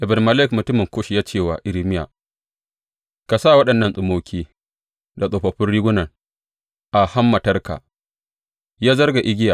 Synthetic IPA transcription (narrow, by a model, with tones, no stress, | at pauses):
ʔɪ˨bɪ˨n˨mɐ˨lɛ˦˨kmʊ˨tʊ˦mɪ˨ŋkʷoː˦ʃi˨jaː˦t͡ʃeː˦˨waː˨ʔɪ˨ɾi˦mɪ˦ja̰˨ | ka˨saː˦˨wɐ˦ɗɐ˨nːɐ˦nsʼʊ˨moː˦kʲʰiː˦ | da˨sʼoː˨ɸɐ˨ɸɪ˦nɽiː˦ɡʷʊ˦nɐ˨ŋ | ʔa˨ha˦mːɐ˨tɐ˦rka̰˨ | jaː˦zɐ˦rɡa˨ʔɪ˦ɡʲɪ˦ja˨